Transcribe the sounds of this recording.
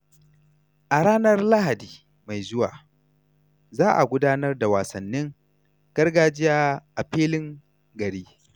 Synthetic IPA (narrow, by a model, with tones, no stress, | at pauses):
ʔa˨ɽaː˦nɐ˦rla˦ɦa˨diː˨ | ma˨jzʊ˦wa̰ː˨ | zaː˦ʔa̰˨ɡʷʊ˦daː˦nɐ˦rda˨waː˨sɐ˨nːɪ˦ŋ | ɡ̥ɐ˦rɡaː˨d͡ʒɪ˦jaː˦ʔa˨ɸeː˦lɪ˦ŋ | ɡɐ˨ɽiː˦